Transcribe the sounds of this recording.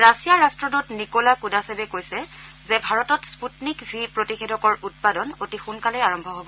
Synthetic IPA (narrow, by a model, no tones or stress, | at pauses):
ɹasijaɹastɹɔdutnikolakudasɛbɛkojsɛ | zɛbʱaɹɔtɔtsputnikbʱipɹotixedɔkɔɹut̚padɔnotixunkalɛaɹɔmbʱɔɦobɔ